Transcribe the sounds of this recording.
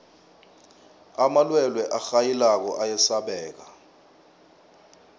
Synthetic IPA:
amalwɛlwɛʔaxajilak̬ɔʔajɛsaɓɛːk̬a

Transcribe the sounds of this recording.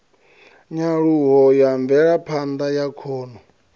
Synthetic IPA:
ɲaɺuɦɔjaɱvɛɺapʰand̪ajakʰɔːnɔ

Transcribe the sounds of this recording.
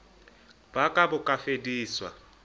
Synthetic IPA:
bakʼabʊkʼafediːswa̰

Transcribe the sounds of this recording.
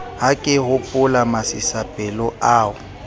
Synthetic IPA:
ɦakʼɪɦʊpʼʊlamasɪsapʼɛlɔaːʊ

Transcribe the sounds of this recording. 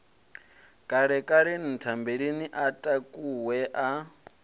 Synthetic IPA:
kʼaɺɛkʼaɺenitʰambeɺiniʔatʼakʼuwɛʔa

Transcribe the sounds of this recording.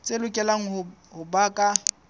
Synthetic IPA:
t͡sʼelʊkʼɛlaŋ̩ɦʊhʊbaːkʼa

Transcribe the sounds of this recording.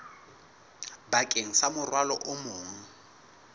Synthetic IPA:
bakʼeŋ̩samʊrwalɔʔʊmoːŋ̩

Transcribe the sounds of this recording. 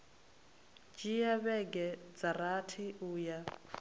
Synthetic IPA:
d͡ʒijaβɛɡɛd͡zaɾatʰiuːja

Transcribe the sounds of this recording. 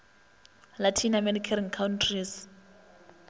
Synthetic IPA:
latʰinamɛdikʰariŋ̩kʰauntʰris

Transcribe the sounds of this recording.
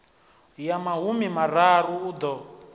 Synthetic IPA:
jamaɦumimararuːd̪ɔ

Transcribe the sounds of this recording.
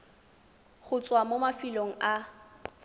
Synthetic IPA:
χʊt͡sʼwamomafiloŋ̩a

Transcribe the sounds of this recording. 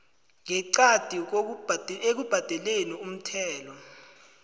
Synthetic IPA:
ŋɛǀad̥ʱik̬oek̬ub̥ʱad̥ʱɛlenium̩tʰɛːlɔ

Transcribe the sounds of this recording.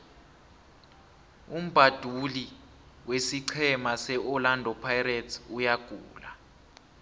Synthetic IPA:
um̩b̥ʱad̥ʱuli | wesiǀʰɛmasɛʔɔlandʱɔpʰajretʰujaɡ̥ʱṵːla̰

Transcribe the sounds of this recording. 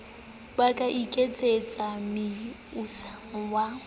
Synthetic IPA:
bakʼaʔikʼet͡sʼet͡sʼamɪusawa

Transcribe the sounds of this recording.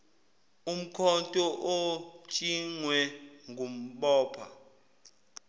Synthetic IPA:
um̩kʰɔntʼɔʔot͡ʃʼiŋwɛŋɡʱum̩ɓɔːpʰa̰

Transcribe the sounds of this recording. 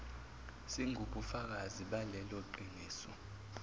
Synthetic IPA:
siŋʱuk̬ufak̬aziɓalɛloǃiniːsɔ

